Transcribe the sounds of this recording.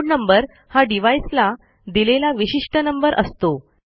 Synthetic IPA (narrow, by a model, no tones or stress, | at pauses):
ɽnəmbəɾ | haɖiʋaisla | d̪ilelaʋiɕiʂʈənəmbəɾʔəst̪o